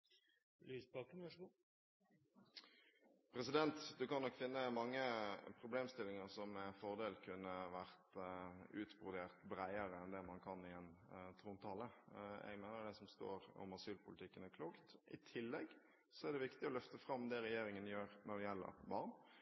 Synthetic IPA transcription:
lyːsbɑkənʋɑʂɡu | pʰɾɛs̬ɪd̪ɛnt̪d̪ʉkɑnːɔkːfɪnːəmɑŋːəpʰɾʊbleːmst̪ɪlːɪŋəɾsɔmːɛnfɔʁd̪eːlkʰʉnːəʋæʁt̪ʉːt̪bʊʁd̪eːʁt̪bɾæɪəɾəɛnd̪ɛmɑnkʰɑnːɪɛnt̪ʰɾuːnt̪ʰɑːləɛ̰ɡmæɪnəd̪ɛsɔmst̪o̰ːɾɔ̰mɑsyːlpʊlɪt̪ɪkːənækʰluːkt̪ʔɪ̰t̪ʰɪlːɛɡ | sɔæd̪ɛʋɪkt̪ɪɔlœft̪əfɾɑmd̪ɛɾɛjeːɾɪŋənjøːɾnɔd̪ɛjɛlːə̰ɾbɑʁn

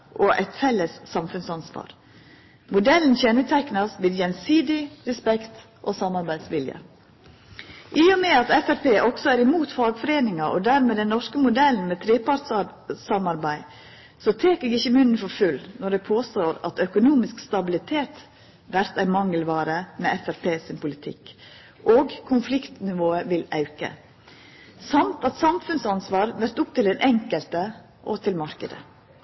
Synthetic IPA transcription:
ʔɔʔæ̰ɪt̪fɛlːəsːɑmfʉnsɑnsʋɑ̰ːɾ | mʊd̪ɛln̩çɛnət̪ʰɛknɑsʋɪːd̪jɛnsiːd̪ɪɾɛspɛkt̪ | ʔɔsɑmɑɾbæɪd̪sʋɪljə̰ | ʔɪɔmɛɑt̪ɛfæɾpeːʔɔksɔæːɾɪmuːt̪fɑːɡfɔɾeːnɪŋɑʔɔ̰d̪æɾmɛːd̪ɛnːɔʂkəmʊd̪ɛln̩mɛt̪ʰɾeːpɑɾʈssɑmɑɾbæɪ | sɔt̪ʰeːkəɡɪçːəmʉnən̩fɔɾfʉlːnɔɖɛpʰoːst̪oːɾɑ̰t̪œkʊnuːmɪskst̪ɑbɪlɪt̪ʰeːt̪ | ʋæɾt̪æɪnmɑŋəlʋɑːɾəmɛɛfæɾpʰeːsɪmpʊlɪt̪ʰɪ̰kː | ʔoːɡkʰʊnflɪkt̪nɪʋoːəʋɪlɑʉkə̰ | sɑmt̪ɑt̪sɑmfʉnsɑnsʋɑːɾʋæɾt̪ʊp̚t̪ɪld̪ɛnʔɛŋkəlt̪ə | ʔɔ̰t̪ʰɪlmɑɾkəd̪ə̰

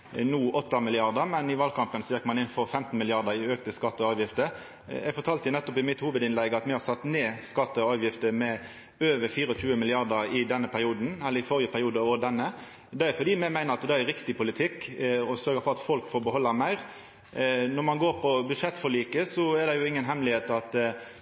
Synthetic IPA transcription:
nuːʔɔt̪ːɑmɪlɪɑʁd̪əmɛnɪʋɑlkʰɑmpənsɔjɛkːmɑnɪnfɔɾfɛmt̪n̩mɪlɪɑʁd̪əɾɪøkt̪əskɑt̪ːəɑːʋjɪft̪ə | ɛɡfɔɾt̪ʰɑːlt̪əjʊnɛt̪ːɔpɪmɪt̪huːʋəd̪ɪnlɛɡɑt̪mɪhɑsɑt̪ːneːskɑt̪ːəɔɑːʋjɪft̪əmɛ | øːʋəɾfiːɾɔc͡çʉːəmɪlɪɑʁd̪əɾɪd̪ɛnːəpʰæɾɪuːd̪n̩ɛlːəɾɪfɔɾjəpʰæɾɪuːd̪əɔd̪ɛnːə | d̪ɛɛfɔd̪iːmɛmæɪnəɾɑt̪d̪ɛæɾɾɪkt̪ɪpʊlɪt̪ʰɪkːɔsœɾɡəfɔʁɑt̪fɔlkfɔbəɦɔlːəɾmæɪʁ | nɔɾmɑnɡoːɾpʰɔbʉd̪ʂɛt̪ːfɔɭiːkəsɔɛd̪ɛjʊɪŋːənɦɛmlɪheːt̪ɑt̪

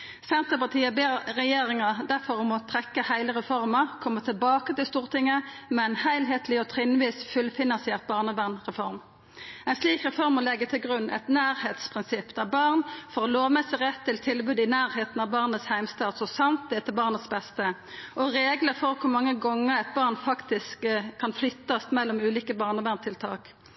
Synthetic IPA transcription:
sɛnt̪əpɑʁt̪ʰiːəbeːʁʁɛjeːɾɪŋɑd̪æʁfɔʁmɔt̪ʰʁɛkːəhæɪləʁɛfɔɾmɑkʰɔmːət̪ʰɪlbɑːkət̪ɪlst̪uːʁt̪ʰɪŋːəmɛɛnhæɪlɦeːt̪ʰlɪɔt̪ʰʁɪnʋiːsfʉlfɪnɑnsɪɛʁt̪̚bɑːʁnəbænʁɛfɔɾm | æɛɪnsliːkʁɛfɔʁməlɛɡːət̪ʰɪlɡʁʉnːʔɛ̰t̪næːɾheːt̪spʰʁɪnsɪpːd̪æbɑʁnfɔʁɔloːʋmɛsɪʁɛt̪ʰːɪlt̪ʰɪlbʉːd̪ɪnæːʁheːt̪n̩ɑʋbɑːʁnət̪shæɪmst̪ɑːt̪sɔsɑnt̪̚d̪ɛt̪ɛbɑːʁnət̪sbɛst̪ə | ʔɔɾeːɡləfɔʁkʰʊmɑŋːəɡɔŋːəʁæɪt̪̚bɑːʁnfɑkt̪ɪskkʰːɑnflʏt̪ːɑst̪mɛlːɔmʉːliːkəbɑːʁnəʋæʁnt̪ʰɪlt̪ʰɑ̰ːk

